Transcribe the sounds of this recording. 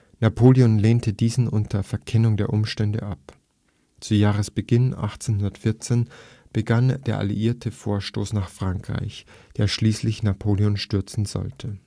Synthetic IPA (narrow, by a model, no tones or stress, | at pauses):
napʰoːliɔnleːntʰədiːzn̩ʔʊntʰɐfɛɐkʰɛnʊŋdeːɐʔʊmʃtɛndə̰ʔap | t͡sujaːʁ̞əsb̥əɡɪnʔa̰χt͡seːnhɦʊndɐtfɪɐt͡seːn | b̥əɡand̥eːɐʔa̰lḭʔiːɐtʰəfoːɐʃtoːsnaːχfʁ̥aŋkʁ̥a̰ɪçd̥eːɐʃliːslɪçnapʰoːljɔnʃtʏɐt͡sn̩zɔ̰ltʰə